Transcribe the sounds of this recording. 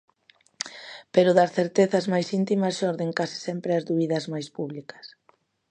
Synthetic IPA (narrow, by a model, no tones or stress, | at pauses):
peɾʊðɐsθeɾt̪eθɐzmajsint̪imɐsʃɔɾðeŋkasi̥sɛmpɾeɐzðuβiðɐzmajspuβlikɐ̥s